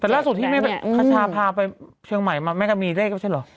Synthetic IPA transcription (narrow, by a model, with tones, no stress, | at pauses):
t̪ɛː˨˩laː˥˩su˨˩t̪ʰːiː˥˩ma˥˩bɛ˨˩kʰa˧t͡ɕʰaː˧pʰaː˧pa˧j | t͡ɕʰɯ˧əŋma˨˩jmaː˧ma˥˩ka˧˥˩miː˧ɾeː˥˩k̚ma˥˩a˥˩lɔ˨˩˦